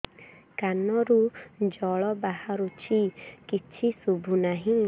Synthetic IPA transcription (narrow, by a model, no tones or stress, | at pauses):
kanːɔɾud͡ʒɔɭɔbahaɾut͡ʃʰikit͡ʃʰisubunaɦiŋ